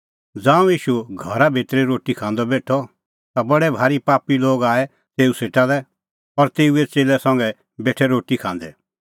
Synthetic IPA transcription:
d͡zãːũiːʃuɡʱɐɾabʱet̪ɾeɾoːʈikʰãːnd̪ɔbeːʈʰɔ | t̪abɐɽɛbʱaːɾipaːpiloːɡaːɛ | seːuseːʈalɛ | ɔɾt̪eːuet͡seːlɛsɐ̃ŋɡɛ | beːʈʰɛɾoːʈikʰãːnd̪ɛ

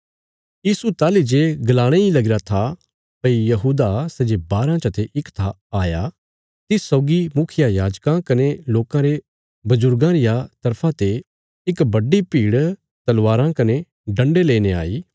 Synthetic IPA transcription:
jiːsut̪aːlid͡ʒeɡɐlaːɽ̃eilɐɡɪɾat̪ʰa | pɐijɐɦuːd̪asɛːd͡ʒebaːɾãt͡ʃɐt̪ʰeʔɪkt̪ʰa | aːja | t̪ɪsɔːɡimʊkʰɪjajaːd͡ʒkãkɐneloːkãɾe | bɐzʊɾɡãɾɪjat̪ɐɾpʰãt̪e | ɪkbɐɖipiːɽ | t̪ɐlʋaːɾãkɐne | ɖɐ̃ɳɖeleːnea̰ːiː

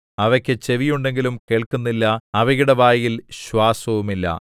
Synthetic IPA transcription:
ɐʋɐkʲːɨt͡ɕe̞ʋijuɳɖe̞ŋɡilumke̞ːɭkunːilːɐɐʋɐɣiɽɐʋaːjilɕwaːsɐʋumilːɐ̰

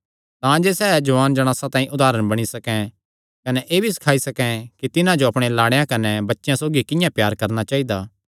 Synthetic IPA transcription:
t̪ãd͡ʒeːsɛːd͡ʒɐʋaːnd͡ʒɐɽ̃ãːsat̪ãːĩʔʊd̪aːɾəɽ̃bɐɽ̃isɐkɛ̃ | kɐnɛʔeːbʱisɐ̥kʰaːisɐkɛ̃kit̪ɪnãd͡ʒoɐpɽ̃elaːɽejãkɐnɛbɐtːʃjãsoːɡikɪ̃jãpjaːɾkɐɾnat͡ʃaːid̪aː

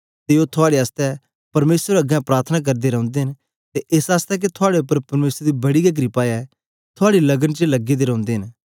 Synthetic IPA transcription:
t̪eoːt̪ʰʊaːɽeaːst̪ɛ | pɐɾmeːsɾɾɐɡɛ̃pɾaːɾt̪ʰənak̬ɐɾd̪eɾɐ̃ʊ̃nd̪eɦɪn | t̪eʔesaːst̪ɛk̬et̪ʰʊaːɽeʊpːəɾpɐɾmeːsəɾd̪ibɐɽiɡɐɡ̬ɾipaɛ | t̪ʰʊaːɽilɐɡənt͡ʃelɐɡed̪eɾɐ̃ʊ̃nd̪eːɦɪ̃n

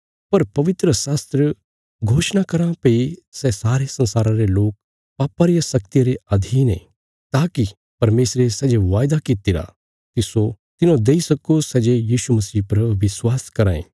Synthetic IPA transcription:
pɐɾpɐʋɪt̪ɾəsaːst̪ɾə | ɡʱoːʃñakɐɾãpeisɛsaːɾesɐ̃nsaːɾãɾeloːk̚ | paːpaɾijasɐkt̪ijaɾeɐd̪ʱiːnḛ̃ | t̪aːki | pɐɾmeːsɾesɛd͡ʒeʋaːjd̪akɪt̪iɾa̰ | t̪ɪso | t̪ɪnõd̪eisɐkosɛːd͡ʒejiːsumɐsiːpɐɾʋɪswaːskɐɾaːḛ̃ː

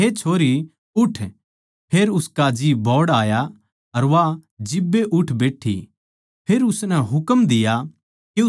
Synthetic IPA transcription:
ɦet͡ʃʰoːɾi | ʊʈʰ | pʰeːɾʊskad͡ʒiːbʱɔːɽaːja | ɐɾʋad͡ʒɪbːeʔʊʈʰbeːʈʰḭ | pʰeːɾʊsnɛɦʊkəmd̪ɪja | ke

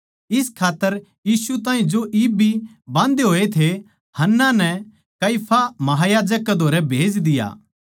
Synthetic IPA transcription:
ɪskʰaːt̪ːəɾ | jiːsut̪ãːɦĩd͡ʒoʔiːbi | bãːnd̪eɦoːet̪ʰe | hɐnːanɛ | kɐipʰamɐɦaːjaːd͡ʒəkːed̪ʱoːɾɛbʱeːd͡ʒd̪ɪja̰ː

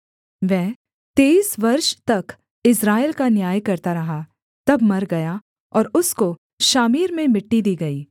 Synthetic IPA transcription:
ʋɛː | t̪eːsʋɐɾʃt̪ɐk | ɪsɾaːɪlkanjaːjkɐɾt̪aɾɐɦa | t̪ɐbmɐɾɡɐja | ɔːɾʊsko | ʃaːmiːɾmẽmɪʈːid̪iːɡɐiː

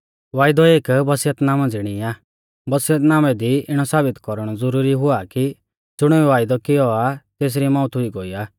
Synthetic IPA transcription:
ʋaːjd̪ɔeːkbɐsɪjət̪naːm̃d͡zɪɽ̃iaː | bɐsɪjət̪naːmɛd̪iɪɽ̃ɔsaːbɪt̪kɔɾɽ̃ɔd͡zɔɾuːɾiɦʊaki | d͡zʊɽ̃ɛɛʋaːjd̪ɔkɪjɔat̪eːs̬ɾimɔ̃ːʊt̪ɦʊiɡɔiːaː

